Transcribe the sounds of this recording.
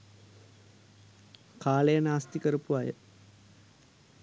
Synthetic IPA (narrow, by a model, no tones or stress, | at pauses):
kaːɭejɐnaːst̪ikɐɾupːuʋaːjɐ̰